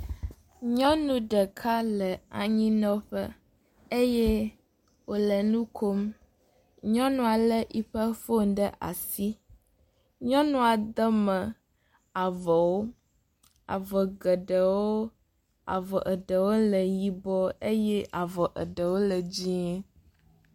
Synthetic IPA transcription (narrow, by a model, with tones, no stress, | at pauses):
ɲɔ̃˦nũ˦ɖə˨kʰa˦lə˨a̰˨ɲĩ˦nɔ̃˦ɸə̰˦ | e˦jɛ˦ | wo˨lə˨nũ˦kʰo˦m | ɲɔ̃˦nũ˦a˨lə˦ʔi˦ɸə˦fo˦ŋɖə˦ʔa̰˨si˦ | ɲɔ̃˦nũ˦a˨d̪ə˦mə̃˨ | a˨vɔ˨wo˦ | a̰˨vɔ˨ɡə˨ɖə˨wo˦ | a̰˨vɔ˨ʔə˨ɖə˨wo˦lə˨ji˨bɔ˦e˦jɛ˦ʔa˨vɔ˨ʔə̰˨ɖə˨wo˦lə˨d͡ʑi˦